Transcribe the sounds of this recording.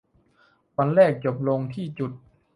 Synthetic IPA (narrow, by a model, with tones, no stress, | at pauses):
wa˧nlɛː˥˩k̚t͡ɕo˨˩p̚lo˧ŋt̪ʰiː˥˩t͡ɕu˨˩t̪̚